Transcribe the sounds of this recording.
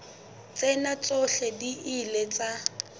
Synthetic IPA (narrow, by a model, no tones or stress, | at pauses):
t͡sʼɛnat͡sʼɔɬɛdiʔɪlet͡sʼa